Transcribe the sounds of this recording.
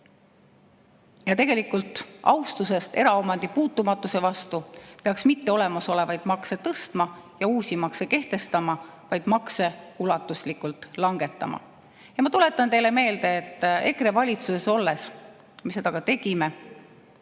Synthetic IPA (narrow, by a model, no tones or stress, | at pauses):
jɑt̪e̞ɡ̥e̞likːult̪ːˑɑ̰wst̪use̞st̪e̞ɾɑo̞mɑnd̪̥ipuːt̪ːˑumɑt̪ːˑuse̞vɑst̪upe̞ɑksmit̪ːe̞o̞le̞mɑso̞le̞vɑjd̪̥mɑkse̞t̪ɤst̪mɑjɑuːsʲimɑkse̞ke̞ht̪e̞st̪ɑmɑ | vɑjd̪̥mɑkse̞ulɑt̪ːˑuslikult̪ˑlɑŋɡe̞t̪ːˑɑmɑ̰ | jɑmɑt̪ule̞t̪ːˑɑnt̪e̞jle̞me̞ːld̪̥e̞ːt̪ːˑe̞kɾevɑlʲit̪suse̞so̞lːe̞s | misːe̞d̪̥ɑɡ̥ɑt̪e̞ɡ̥ime̞